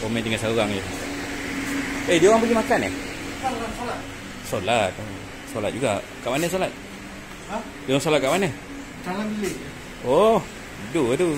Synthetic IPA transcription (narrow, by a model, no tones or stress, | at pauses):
omɛt̪iŋasaluɣaŋd͡ʒo | ədioɣaŋpəɡimakanɛ̰hasolat̪̚ | solat̪̚ə | solat̪̚d͡ʒuɡa | kaʔmanəs̬olat̪̚ | a | dioɣaŋsolat̪̚kaʔmanə | dalabileʔ | oh | dut̪u